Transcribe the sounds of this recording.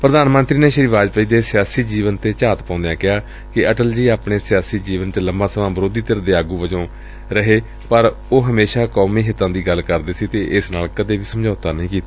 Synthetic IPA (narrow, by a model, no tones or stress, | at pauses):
pɾəd̪aːnmə̃nt̪ɾiːneːʃɾiːʋaːd͡ʒpəiːd̪eːsɪjaːsiːd͡ʒiːʋənt̪eːt͡ʃaːt̪pãːnd̪ejãːkɪɦaː | kɪəʈəld͡ʒiːaːpɳeːsɪjaːsiːd͡ʒiːʋənt͡ʃələmbãːsəʋãːbəɾoːd̪iːt̪əɾəd̪eːaːɡuːʋəd͡ʒõː | ɾəɦeː | pəɾ | oːɦəmeːʃaːkɔːmiːɦɪt̪ːãːd̪iːɡəlkəɾd̪eːsiːt̪eːʔɪsnaːlkəd̪eːʋiːsəmd͡ʒaːt̪aːnəɦĩːkiːt̪aː